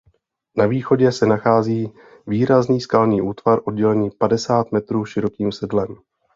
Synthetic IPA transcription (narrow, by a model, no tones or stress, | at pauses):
naviːxo̞ɟɛsɛnaxaːziː | viːɾazniːskalniːʔuːt̪v̥aɾʔo̞d̚ɟɛlɛniːpadɛsaːt̪mɛt̪ɾuːʃɪɾo̞kiːmsɛdlɛm